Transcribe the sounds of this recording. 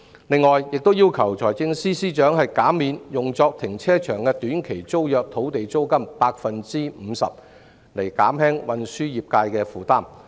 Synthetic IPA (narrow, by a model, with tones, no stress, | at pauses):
lɪ˨ŋːɔː˨jjɪ˨k̚t̪o˥wjiː˥wkʰɐ˨˩wt͡sʰɔː˨˩jt͡sɪ˧ŋsiː˥siː˥t͡ʃœː˨˥ŋhɐ˨jkaː˨˥miː˨˧njʊ˨ŋt͡sɔː˧k̚t̪ʰɪ˨˩ŋt͡sʰɛː˥t͡ʃʰœː˨˩ŋkɛː˧t̪yː˨˥nkʰe˨˩jt͡so˥wjœː˨k̚t̪ʰo˨˥wt̪e˨jt͡so˥wkɐ˥mpaː˧k̚fɐ˨nt͡siː˥m̩˨˧sɐ̰˨p̚ | le˨˩jkaː˨˥mhɛː˥ŋwɐ˨˧nsyː˥jiː˨p̚kaː˧jkɛː˧fuː˨˩t̪aː˥˩m